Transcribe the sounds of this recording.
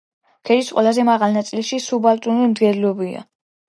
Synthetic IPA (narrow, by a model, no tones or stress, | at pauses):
kʰɛɾit̪sqʼwɛlˠazɛmaʁalˠnat̪sʼilʃisubalt̪ʼunimd̪ɡɛlilɔbia̰